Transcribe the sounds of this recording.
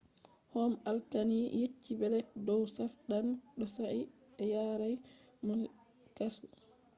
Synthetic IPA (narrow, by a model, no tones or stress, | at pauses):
hɔmalkanijetːibɛlɛt̚dɔwsafɗanɗɔsaʔi | ɛjaɾaj | mu | kasu